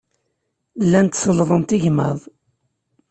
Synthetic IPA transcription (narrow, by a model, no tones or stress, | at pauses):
lːænt̪səlðˤənt̪iʝməðˤ